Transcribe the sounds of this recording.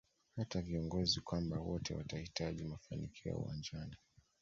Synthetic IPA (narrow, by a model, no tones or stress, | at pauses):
hataviɔŋɡɔzikwambawɔtʰɛwa̰tahitaʄimafanḭkʰiɔ̰ṵwa̰nd͡ʒani